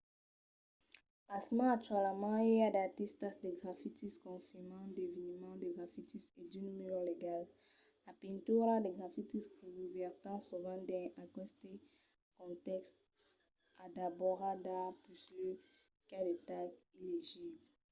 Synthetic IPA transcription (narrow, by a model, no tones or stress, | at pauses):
pasmɑ̃at̪ɥalamɑ̃ɛad̪at̪est̪asd̪eɡʁafit̪iskɔ̃fimɑ̃d̪evinmɑ̃d̪eɡʁafit̪ised̪ynymeloleɡal | lapĩnt̪yɾad̪eɡʁafit̪isuɡuvɛʁt̪ɑ̃suvɑ̃d̪ɛ̃akɔst̪e | kɔ̃t̪ɛkst̪ | ad̪abɔʁad̪aplyslø | kad̪ət̪akileʒibl